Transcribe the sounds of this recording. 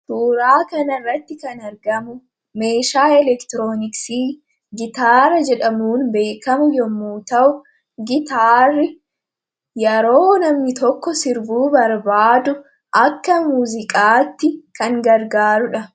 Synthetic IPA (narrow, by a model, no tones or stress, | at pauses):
t̪uːɾaːkɐnɐrːɐt̪ːɪkɐnɐɾɡɐmʊ | me̞ːʃaːɛlɛkt̪ɾoːnɪksiː | ɡɪt̪aːɾɐd͡ʒɛᶑɐmuːnbe̞ːkɐmʊjɔmːuːt̪ɐʔʊ | ɡɪt̪aːrɪ | jɛɾo̞ːnɐmnɪt̪ɔkːɔsɪɾbuːbɐɾbaːd̪ʊ | ʔɐkːɐmuːzɪkʼaːt̪ːɪkɐŋɡɐɾɡaːɾʊᶑɐ